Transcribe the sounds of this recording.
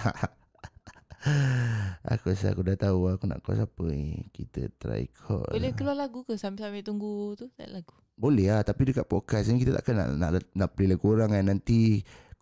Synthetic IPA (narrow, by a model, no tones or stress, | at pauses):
a̰kusa̰kudat̪auakuna̰ʔkɔ̰sapəḛkit̪ə̰t̪ɾa̰ḭkʰɔ̰bolɛkəlualaɡukəsamiʔsamet̪uŋɡut̪ut̪laɡu | bolɛɦat̪apidəkaʔ̪̚pokaskit̪ət̪a̰ʔkana̰ʔna̰ʔnaʔplilakuɾaŋanant̪i